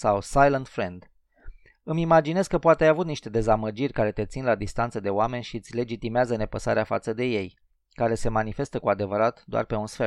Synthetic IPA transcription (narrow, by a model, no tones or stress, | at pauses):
sawsajlənt̪fɾend̪ | ɨmimad͡ʒine̞zkəpoat̪eajavut̪niʃt̪e̞d̪e̞zaməd͡ʒirʲkaɾe̞t̪e̞t̪sinlad̪ist̪ant̪səd̪e̞oame̞nʲʃiɨt̪sʲle̞d͡ʒit̪imeazəne̞pəsa̰ɾeafa̰t̪səd̪e̞je̞j | kaɾe̞se̞manife̞st̪əkuad̪e̞vəɾat̪d̪oa̰rpe̞unsfe̞